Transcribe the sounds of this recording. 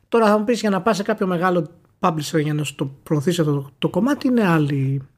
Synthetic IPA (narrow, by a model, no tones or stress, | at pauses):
t̪o̞ɾɐθɐmupisʝɐnɐpɐsekɐpço̞me̞ɣɐlo̞ | pɐblist̪eɾʝɐnɐst̪opɾoːθisiɐft̪ot̪oko̞mɐt̪iine̞ɐli